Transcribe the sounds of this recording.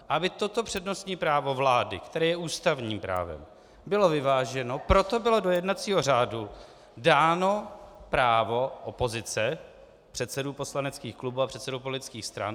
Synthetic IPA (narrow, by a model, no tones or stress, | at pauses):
ʔabɪt̪ot̪o̞pr̝̥ɛdno̞st̪ɲiːpɾaːvo̞vlaːdɪ̰kt̪ɛɾɛːjɛʔuːst̪avɲiːmpɾa̰ːvɛ̰m | bɪlo̞vɪvaːʒɛno̞pɾo̞t̪o̞bɪlo̞dojɛdnat̪t͡siːɦo̞r̝aːdu | daːno̞pɾaːvo̞ʔopo̞zɪt͡sɛ | pr̥ɛt̪sɛduːpo̞slanɛt͡skiːxklubuːapr̥ɛt̪sɛdupolɪt̪ɪt͡skiːxst̪ɾa̰n